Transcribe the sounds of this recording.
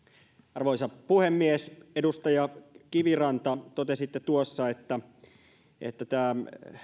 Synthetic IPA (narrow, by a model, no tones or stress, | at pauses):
ɑrʋoisɑpuhemːiesedust̪ɑjɑkiʋirɑnt̪ɑt̪ot̪esit̪ːet̪uosːɑet̪ːæ | ʔḛt̪ːæt̪æː